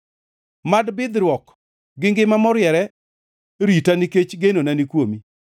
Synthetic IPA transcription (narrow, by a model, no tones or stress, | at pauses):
madbɪd̪ɾwɔk | ɡɪŋɡɪmamɔɾjɛɾɛ | ɾitaniket͡ʃɡenonanikwomi